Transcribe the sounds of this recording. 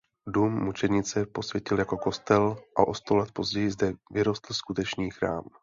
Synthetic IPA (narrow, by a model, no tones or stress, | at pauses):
duːmːut͡ʃɛdɲɪt͡sɛpo̞svjɛcɪljako̞ko̞st̪ɛlʔa̰ʔo̞st̪olɛt̪̚po̞zɟɛjɪzdɛvɪɾo̞st̪l̩skut̪ɛt͡ʃniːxɾa̰ːm